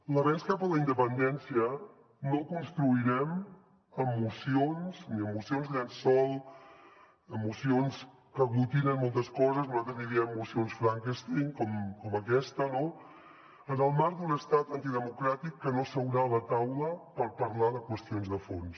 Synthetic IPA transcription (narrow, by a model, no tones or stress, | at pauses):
lərɛskapələind̪əpənd̪ɛnsiə | nokunst̪ɾuiɾɛm | əmːusionzniəmːusionzansɔlˠ | əmːusions | kəɣlut̪inənmːolˠt̪əskɔzəznuzalt̪ɾəzðiɾiəmːusionsfɾaŋkest̪iŋkɔmkɔməkɛst̪əno | ənəlˠmaɾd̪unəst̪at̪ənt̪iðəmukɾat̪ikːənosəwɾalət̪awləpəɾpəɾlaðəkwəst̪ionzðəfons